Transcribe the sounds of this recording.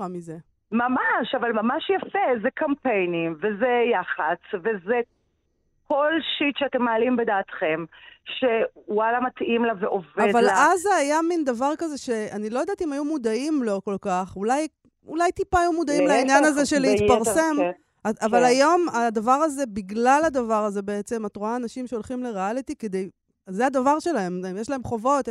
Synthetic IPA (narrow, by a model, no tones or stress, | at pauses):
ʁamize | mamaʃavalmamaʃjafezɛkampejnimvezejaχat͡sveze | kʰo̞lʃit̪ʃeatemːaːlimbed̪aːt̪χemʃewalamat̪ʔimlaveʔovadvalazajamind̪avaʁkaze̞ʃe̞anilojdaːtimajumudaimlo̞ko̞lkaχulaj | ulajt̪ipaːjumud̪aimlainjanazeʃeleitpaʁse̞m | aavalajo̞mad̪avaʁaze̞biɡlalad̪avaʁaze̞be̞et͡se̞matʁoaːnaʃimʃeo̞lχimleʁealit̪iked̪ej | zead̪avaʁʃe̞lae̞mjeʃlae̞mχo̞vo̞t̪